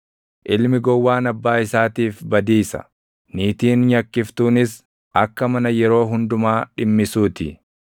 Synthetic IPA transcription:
ʔɪlmɪɡɔwːaːnɐbːaːɪsaːt̪iːfbɐd̪iːsɐ̥̰ | niːt̪iːnɲɐkːɪft̪uːnɪs | ɐkːɐmɐnɐjɛɾo̞ːɦʊnd̪ʊmaːᶑɪmːɪsuːt̪ɪ

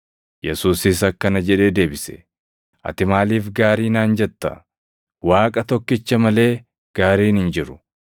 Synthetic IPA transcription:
jɛsuːsɪs̬ɐkːɐnɐd͡ʒɛᶑe̞ːd̪e̞ːbɪsɛ̥̰ | ʔɐ̰t̪ɪmaːliːfɡaːɾiːnaːnd͡ʒɛt̪ːɐ̰ | waːkʼɐt̪ɔkːɪt͡ʃːɐmɐle̞ː | ɡ̥aːɾiːnhɪnd͡ʒɪɾʊ̥

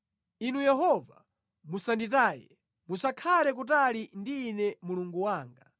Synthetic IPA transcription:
inujɛɦɔva̰ | musandit̬aːjɛ̰ | musakʰalɛk̬utalindiːnɛmuluŋɡuwaːŋɡa

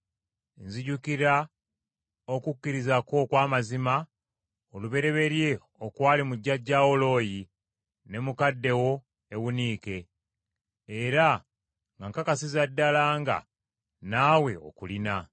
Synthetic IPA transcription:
nziɟukiɾa | o̞kukːiɾizako̞kwaːmazima | oluβe̞ɾe̞βe̞ɾje̞ | o̞kwaːlimuɟːaɟːaːo̞lo̞ːji | ne̞mukadːe̞wo̞ | e̞βuniːke̞ | ɾa | ŋɡaŋkakasizadːalaːŋɡa̰ | naːwe̞o̰kulina

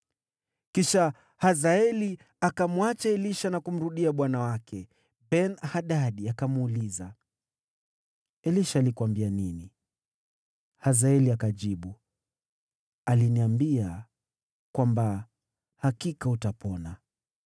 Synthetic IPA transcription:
kiʃa | hazaɛli | akamwat͡ʃaɛliʃanakum̩ɾuɗiaɓwanawakʰɛ | bɛnahaɗaɗiakamːliza | ɛliʃaːlikwambianini | hazaɛliakaʄiɓu | aliniambia | kwamba | hakikautapɔna

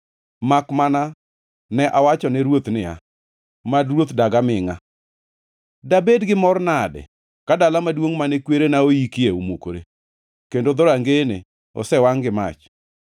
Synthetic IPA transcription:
makmana | nɛʔawat͡ʃɔnɛɾwot̪nɪa̰ | madɾwot̪daɡamɪŋa | dabedɡɪmɔrnadɛ̰ | kadalamadwoŋmanekweɾenaojikɪeomokoɾe | kendod̪ɔɾaŋɡene | ɔ̰sɛwaŋɡɪma̰t͡ʃ

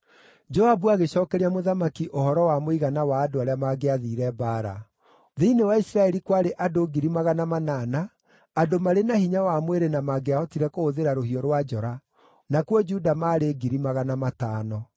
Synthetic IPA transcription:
d͡ʒɔabuaɣeɕɔːkɛɾiamoðamakiʔohɔɾɔwamoiɣanawaːdoaɾeamaɡeaðiɾɛbaːɾa̰ | ðeinewaisɾaɛɾikwaɾeʔadoɡiɾimaɣanamanaːnaː | domaɾenahiɲawamweɾenamaɡeaɔtiɾɛkoːðeɾaɾohiɔɾwad͡ʒɔɾa | nakwɔd͡ʒudamaːɾeɡiɾimaɣanamataːnɔ

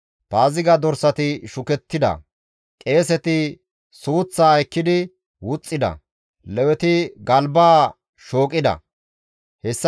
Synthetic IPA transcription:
paːzɪɡɐd̪ɔɾsɐt̪ɪʃʊkɛt̪ːɪd̪ɐ̰ | kʼe̞ːsɛt̪ɪ | suːt͡sːaːjkːɪd̪ɪ | wʊt͡sʼːɪd̪ɐ̰ | lɛwɛt̪ɪɡɐlbaː | ʃo̞ːkʼːɪd̪ɐ̰ | hɛsː

